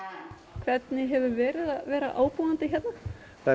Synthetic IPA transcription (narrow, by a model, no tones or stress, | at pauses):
kʰvɛt̪nɪɦɛvʏɾvɛːɾɪðavɛːɾa̰ʔa̰ːwpuːant̪ɪçɛt̪na | kʰa